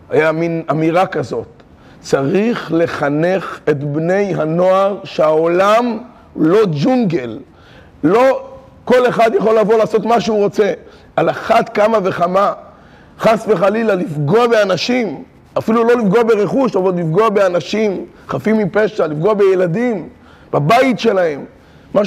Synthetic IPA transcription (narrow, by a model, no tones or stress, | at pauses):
hajaminamiʁakazo̞t̪ | t͡saʁiχle̞χane̞χe̞tbne̞jɦano̞aʁʃeao̞lam | lo̞d͡ʒuŋɡe̞lː | o̞ | ko̞le̞χad̪jaχo̞lavo̞laːso̞tmaʃeuʁo̞t͡se̞ | alaχat̪kamave̞χama | χasve̞χalilalifɡoabeanaʃim | afilulo̞lifɡoabeʁe̞χuʃavallifɡoabeanaʃim | χafimipe̞ʃalifɡoabe̞jeladim | b̥abaitʃe̞lahe̞mː | a